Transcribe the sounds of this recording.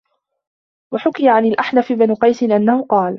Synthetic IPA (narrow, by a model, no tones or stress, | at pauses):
waħʊkɪjaʕanalʔaħnafɪbanqɑjsɪnʔanːahʊqɑːl